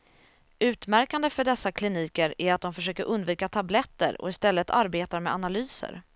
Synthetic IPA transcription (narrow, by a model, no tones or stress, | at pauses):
ʉ̟ːt̪mæɾkand̪əfœɖɛsːakʰlɪniːkəɾæɾat̪̚d̪ɔmfœʂøːkəɾʔɵnd̪viːkat̪ʰablɛt̪ːə̰ɾɔ̰ɪst̪ɛlːət̪ʰa̰ɾbeːt̪aɾmɛanalyːsə̰ɾ